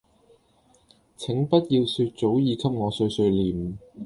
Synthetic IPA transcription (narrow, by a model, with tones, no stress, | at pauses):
t͡sʰɪ˨˥ŋpɐ˥t̚jiː˧wsyː˧t̚t͡so˨˥wjiː˨˧kʰɐ˥p̚ŋɔː˨˧sɵ˧ɥsɵ˧ɥliː˨˩m̩˨